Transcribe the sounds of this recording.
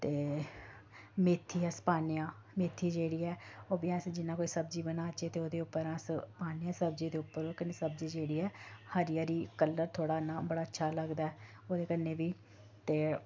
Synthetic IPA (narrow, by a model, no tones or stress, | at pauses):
t̪eː | meːt̪ʰːiːɛːsə̥paːnɪjãː | meːt̪ʰːiːd͡ʒeːɽiːɛːoːbiːãːsd͡ʒɪnãːkoːiːsəbd͡ʒiːbənaːd͡ʒeːt̪eːoːd̪eːʊpːəɾãːspaːnɪjãːsəbd͡ʒiːd̪eːʊpːəɾoːkənːeːsəb̚d͡ʒiːd͡ʒeːɽiːɛːhəɾɪjaːɾiːkəlːəɾt̪ʰoːɽaːnãːbəɽaːətːʃʰaːləɡd̪aːɛː | oːd̪eːkənːeːʋiː | t̪eː